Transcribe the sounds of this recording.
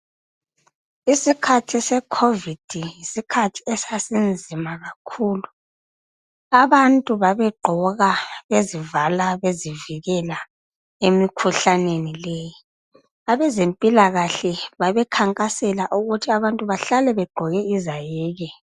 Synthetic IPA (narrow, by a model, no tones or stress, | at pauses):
isikʰatʰisɛkʰovid̥ʱijisikʰatʰi̥ɛsasind͡zʱimaɣakʰuːlu | aβantʼuβaβɛɡ͡ǃʱɔɣaβezivalaβeziviɣɛla | emikʰuɬanenilɛji | aβɛzempʼilaɣaɬɛβaβɛkʰaŋkʼasɛlaʔuɣutʰiaβantʼuβaɬalɛβɛɡ͡ǃʱɔɣɛizajɛːɣɛ